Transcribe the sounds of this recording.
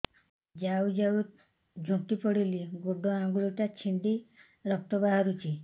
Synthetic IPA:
d͡ʒawd͡ʒaw | d͡ʒʱũt̪ipɔɽiliɡoɖɔãŋɡuɭiʈat͡ʃʰiɳɖi | ɾɔk̚t̪ɔbaɦaɾut͡ʃʰi

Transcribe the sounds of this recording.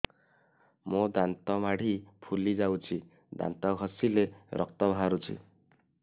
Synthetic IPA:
mod̪ant̪ɔmaɽ̤ipʰulid͡ʒawt͡ʃʰi | d̪a̰nt̪ɔɡʱɔsileɾʔɔ̰k̚t̪ɔbʱɦaɾut͡ʃʰḭ

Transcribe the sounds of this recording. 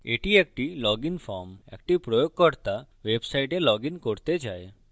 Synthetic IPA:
ḛʈiek̚ʈilɔɡinfʰɔɾmḛkʈipɾojoɡ̚kɔɾt̪a | websajʈelɔɡinkoɾt̪ed͡ʒae

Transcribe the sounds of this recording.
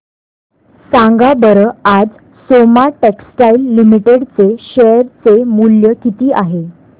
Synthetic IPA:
sãŋɡabəɾəad͡z | somaʈeksʈailːimiʈeɽt͡seɕejəɾt͡semuljəkit̪iːʔaɦe

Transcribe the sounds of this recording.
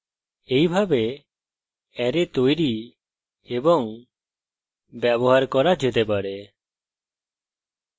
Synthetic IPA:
ejbʱabe | ɛɾet̪ojɾi | ebɔŋ | bjɛbɔɦaɾkɔɾad͡ʒet̪epaɽe

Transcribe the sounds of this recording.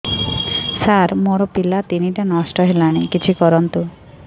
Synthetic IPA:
saɾmoɾɔpilat̪iniʈanɔsʈɔɦelañikit͡ɕʰikɔɾɔnt̪u

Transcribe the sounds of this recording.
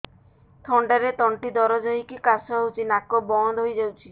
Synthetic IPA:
t̪ʰɔɳɖaɾet̪ɔɳʈid̪ɔɾɔd͡ʒɔɦikikasɔɦewt͡ʃʰinakɔbɔnd̪ɦojd͡ʒawt͡ʃʰi

